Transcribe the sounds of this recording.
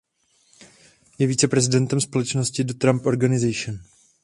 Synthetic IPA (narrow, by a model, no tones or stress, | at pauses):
jɛviːt͡sɛpɾɛzɪdɛnt̪ɛmspo̞lɛt͡ʃnoscɪdot̪ɾampʔo̞ɾɡanɪzɛjʃɪn